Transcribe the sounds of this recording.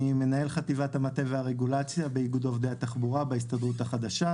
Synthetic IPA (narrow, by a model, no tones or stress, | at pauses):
ime̞nae̞lχativat̪hamate̞veaʁeɡulat͡sjabeiɡud̪o̞vdehat̪aχbuʁabeis̬tad̪ʁut̪haχad̪aʃa